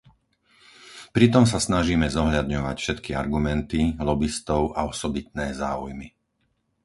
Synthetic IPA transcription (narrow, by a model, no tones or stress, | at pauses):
pɾit̪̬ɔms̬asnaʒiːmɛzɔɦʎad̪ɲɔʋa̰cfʃɛt̪kia̰ɾɡumɛnt̪ilɔbist̪ɔʊʔaɔsɔbit̪̚nɛːza̰ːujmi